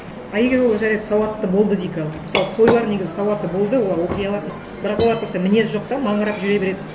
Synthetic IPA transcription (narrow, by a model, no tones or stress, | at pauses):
ɑjeɡʲeʒolˠɑʒɑɾejt̪ɪ̥sɑwɑt̪ːəbo̞lˠd̪əd̪ijkʲʰɑlˠməsɑlˠəqʰo̞jlˠɑɾne̞ɡʲɪzɪsɑwɑt̪ːəbo̞lˠd̪əwo̞lˠɑɾwo̞qijɑlˠɑd̪ən | bɪɾɑqwoɑɾt̪ʰost̪ɑmɪne̞sʒo̞q̚t̪ɑmɑɴʁəɾɑpʒʏɾe̞be̞ɾe̞d̪ɪ